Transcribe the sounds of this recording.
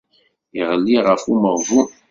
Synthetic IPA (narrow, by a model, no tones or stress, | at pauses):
iʁəlːiʁəfuməʁvu